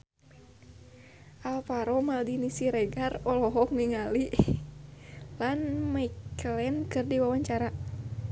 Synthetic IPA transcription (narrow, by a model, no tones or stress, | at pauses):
ʔalpaɾɔmaldinisiɾɛɡarɔlɔɦɔk̚niŋali | lanmaiklɛnkɨrdiwawaɲt͡ʃaɾa